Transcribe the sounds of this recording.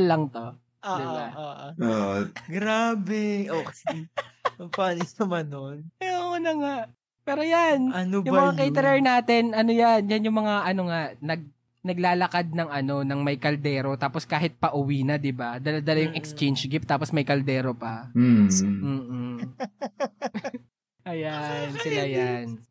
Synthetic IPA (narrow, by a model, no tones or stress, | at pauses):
lɐŋt̪o̞ | ʔad̪ɪʔbaʔʔoɡɾaːbɛʔokɐsɪɐpaːnɪɐmɐnonɛoʔonɐŋaʔ | pɛːɾo̞janʔɐnobjʊŋmɐŋakɛjt̪ɛɾɛɹnaːt̪ɛnʔɐnojanjanjʊŋmɐŋaʔɐno̞ŋaʔnɐɡ̚ | nɐɡ̚laːlɐkad̪̚nɐŋɐno̞nɐŋmɐjkɐld̪ɛːɾo̞t̪aːposkaːɦɪt̪̚pɐʔʊwinɐd̪ɪbad̪ɐlad̪ɐlɐjʊŋʔɛkst͡ʃɛjnd͡ʒɡɪp̚t̪aːposmɐjkɐld̪ɛːɾo̞pɐ | m̩ː | ʔɐjansɪlajan